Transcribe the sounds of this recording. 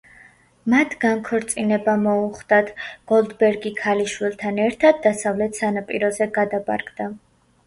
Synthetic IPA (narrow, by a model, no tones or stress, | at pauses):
mat̪ʰɡaŋkʰɔɾt̪sʼinɛbamɔuχd̪̥at̪ʰɡ̥ɔlˠd̪bɛɾɡikʰaliʃwilˠt̪ʰanɛɾt̪ʰad̪̚ːasavlɛt̪ʰsanapʼḭɾɔzɛɡad̪apʼa̰ɾɡd̪a